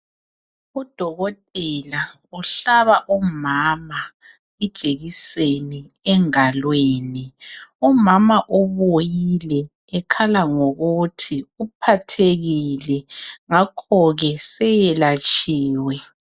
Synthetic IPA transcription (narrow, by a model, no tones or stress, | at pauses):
ud̥ʱɔɣɔtʼɛla | uɬaβaʔumaːma | ɛd̥ʒ̥ʱeɣiseni | ɛŋalweːniɔmamaʔɔβojilɛ | ɛkʰalaŋoɣutʰiupʰatʰeɣilɛŋakʰɔɣɛsɛjɛlat͡ʃʼiːwɛ